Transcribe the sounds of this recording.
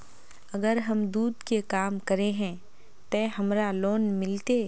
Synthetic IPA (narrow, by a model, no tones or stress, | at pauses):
ɐɡəɾɦɐmd̪uːd̪kekaːmkɐɾeɦɛ̃ | t̪ɛɦɐmɾaloːnmɪlt̪e